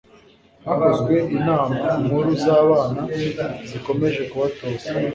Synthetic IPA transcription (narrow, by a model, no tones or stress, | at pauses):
haɦazɡwe̞ʔinaːmamhuɾuzaːβaːnaziko̞me̞ʒe̞kuβatoːt͡sa